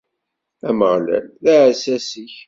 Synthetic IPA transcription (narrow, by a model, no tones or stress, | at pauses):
æməʁlæ̰lðæʕsæsiç